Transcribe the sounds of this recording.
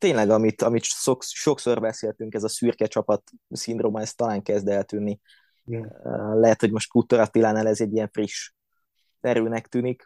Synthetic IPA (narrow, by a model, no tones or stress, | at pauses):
t̪eːɲlɛɡɒmit̪ɒmit̪sokʃo̞kso̞rbɛseːlt̪yŋkɛzɒsyrkɛt͡ʃɒpɒt̪sind̪roːmɒɛst̪ːɒlaːŋkɛzd̪ɛlt̪ynːi | lɛɦɛt̪ho̞ɟmo̞ʃt̪kut̪oɾɒt̪ilaːnaːlɛzɛɟːijɛɱfriʃ | ɛɾøːnɛkt̪yːnik